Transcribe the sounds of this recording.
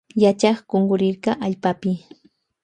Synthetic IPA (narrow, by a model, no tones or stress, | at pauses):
jat͡ʃɑχɢ̥oɴɢʊɾɪɾkɑʔaʎpapɪ